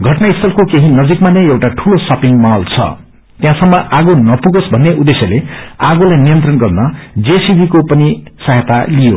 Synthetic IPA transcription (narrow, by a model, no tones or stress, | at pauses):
ɡʱʌʈnaist̪ʰʌlkokeɦĩnʌd͡zikmanʌjewʈaʈʰulosʌpiŋmʌɦʌlt͡sʰʌ̰ | t̪jãsʌmːʌʔaɡonʌpuɡosbʱʌnːeʔud̪esjʌleaɡolajnijʌnt̪rʌnɡʌrnʌd͡zesibʱikopʌnisaɦet̪alijo